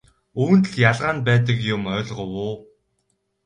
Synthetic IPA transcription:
uːnt̪ɘ̆ɮjaɮʁaːnpæːt̪ə̆kjʊmœːɮʁə̆wʊː

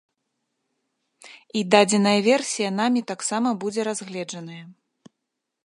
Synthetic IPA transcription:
id̪ad͡zʲɛnɐjɐvʲɛrsʲijɐnamʲit̪aksamɐbud͡zʲɛɾazɣlʲɛd͡ʐɐnɐjɐ

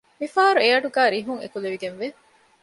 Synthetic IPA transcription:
mifaːɾueɐʈuɡæːɾiɦuŋḛkuleʋiɡenʋe

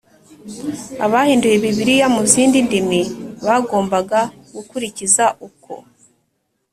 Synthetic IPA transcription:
a̰βahiːndujeβiβiɾijamuziːndindimiβaɡo̞ːmbaɡa | ɡukuɾicizaʔuko̞̰

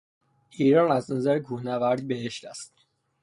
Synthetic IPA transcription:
iːɾɒːnæznæzæɾekʰuːhnævæɾd̪ibeɦeʃt̪æst̪

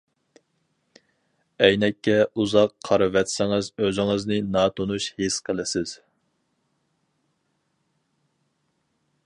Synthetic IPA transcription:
ɛjnɛkʲːɛuzɑqʰɑɾɨvɛt̪sɪŋɪzøzɪŋɨznɨnɑːt̪ʰonuʃhesqʰəlˠɪsɪz̥

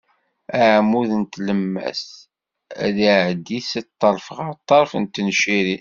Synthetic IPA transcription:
æʕmuðənt̪ləmːæ̰s | æðiʕd̪isət̪ˤːɑɾˤfəʁət̪ˤːɑɾˤfənt̪ːənʃiɾi

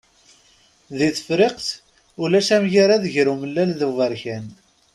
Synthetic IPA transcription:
ðiθəfɾɪqθ | ʊlæsæmʝaɾaðəʝɾuməlːælðəvəɾçæn

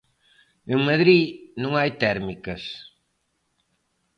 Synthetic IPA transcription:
eŋmɐðɾinõŋajt̪ɛɾmikɐs

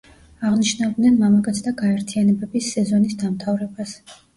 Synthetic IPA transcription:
aʁniʃnad̪nɛnmamaɡʼat̪sʰd̪aɡaɛɾt̪ʰianɛbɛbisːɛzɔnisd̪amt̪ʰavɾɛbas

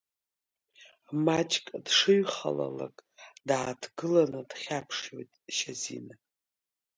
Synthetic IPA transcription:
mat͡ʃʼkʼdʂɨɥχa̰la̰la̰kʼdaːtʰɡɨlanɨd̥χʲapʰʂjojtʼʃazḭna

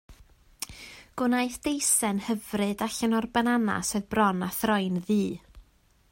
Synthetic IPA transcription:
ɡ̥ʊnajθd̥ejsɛnhəvrɨdaɬənɔrbɛnana̰sɨðbrɔnaθrɔjnðiː

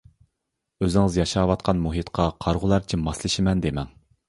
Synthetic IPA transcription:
øzɪŋɨzjɑʃɑːwɑt̪̚qʰɑnmuɦɨt̪qʰɑqʰɑɾʁʊlˠɑɾt͡ʃʰiɪmɑslɪʃɪmɛnd̪emɛŋ

